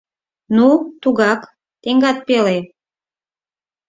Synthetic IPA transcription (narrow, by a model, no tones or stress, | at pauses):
nut̪uɣɑk | t̪eŋɡɑt̪̚pele